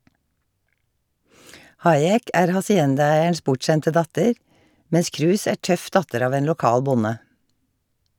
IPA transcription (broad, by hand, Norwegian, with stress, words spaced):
ˈhɑɪɛk ˈæːɾ hɑsɪˈɛndɑˌæɪəɳʃ ˈpʊʈˌʃɛntə ˈdɑtəɹ ˈmɛns ˈkɹʉːs ˈæː ˈʈœf ˈdɑtəɾ ˈɑːʋ ˈeːn lʊˈkɑːl ˈbʊnə